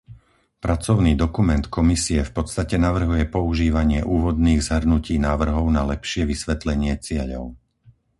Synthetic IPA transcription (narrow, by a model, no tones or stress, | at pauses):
pɾʔat͡sɔʊniːd̪ɔkumɛnt̪kɔmisiɛfpɔt̪st̪acɛnaʋr̩ɦujɛpɔuʒiːʋaɲɪɛʔuːʋɔd̪niːɣzɦr̩nuciːnaːʋr̩ɦɔʊnalɛpʃɪɛʋisʋɛt̪lɛɲɪɛt͡sɪɛʎɔ̰ʊ